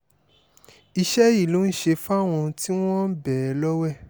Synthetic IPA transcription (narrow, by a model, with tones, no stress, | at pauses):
i˧ʃɛ˦i˦˨lũ˨˦ʃe˧fa˦˨w̃ɔ̃˧ti˦w̃ɔ̃˦bɛ˨˦lɔ˦wɛ˦˨